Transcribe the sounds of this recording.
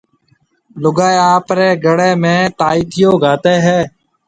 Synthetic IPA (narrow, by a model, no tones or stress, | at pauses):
lʊɡaːeaːpɾeːɡəɽeːmẽːt̪aːiːt̪ʰɪjoːɡaːt̪eːɦɛː